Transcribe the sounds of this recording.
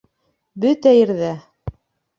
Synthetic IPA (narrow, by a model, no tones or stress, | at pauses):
bɵt̪æjɘ̆ɾðæ